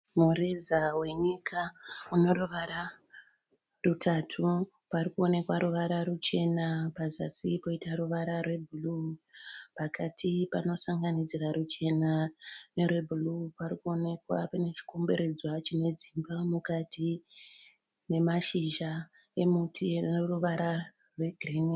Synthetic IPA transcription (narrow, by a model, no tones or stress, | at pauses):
murezawe̞ɲikʰauno̞roʋaɾa | rutʰatʰu | parikuo̞ne̞kwaɾuʋaɾarut͡ʃe̞napaza̰sipo̞itaɾuʋaɾarwe̞bʱulu | pakatʰipano̞saŋɡanid͡zirarut͡ʃe̞nane̞rwe̞bʱulupaɾikuo̞ne̞kwa̰pane̞t͡ʃi̥kombe̞ɾe̞d͡zwat͡ʃine̞d͡zimbamukatʰi | ne̞maʃiʒa | e̞mutʰienoruʋaɾa | rwe̞ɡʱrene